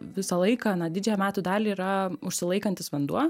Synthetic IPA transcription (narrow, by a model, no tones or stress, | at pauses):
ʋʲɪsɐlˠɐɪkɐnɐd̪ʲɪd͡ʒʲɛjɛmʲæːt̪uːd̪ɑːlʲiiːɾɐʊʃʲsʲɪlˠɐɪkɐnʲt̪ʲɪsʋʲɐnd̪uɔ